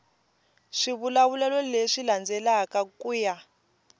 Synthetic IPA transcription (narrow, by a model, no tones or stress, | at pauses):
ʂiβulaβulɛlɔleʂiland͡zɛlakakʼuja